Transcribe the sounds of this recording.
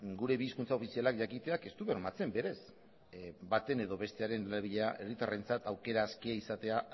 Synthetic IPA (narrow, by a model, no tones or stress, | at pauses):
ɡuɾe̞βiːskunt͡sao̞fisialakʝakit̪e̞ake̞st̪uβe̞ɾmat͡se̞mbe̞ɾe̞s | bat̪e̞ne̞ðo̞βe̞st̪e̞aɾe̞nlaβiʎeaʔe̞rit̪are̞nt͡sat̪awke̞ɾaːskiaisat̪e̞a